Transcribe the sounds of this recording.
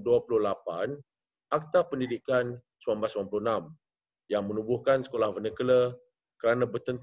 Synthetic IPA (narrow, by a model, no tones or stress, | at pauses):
duapuluhlapan | ak̚t̪apəndidikan | suambasmampulunam | jaŋmənũbuhkansə̥kolahvənəkələ | kəɾanãbərt̪ənt̪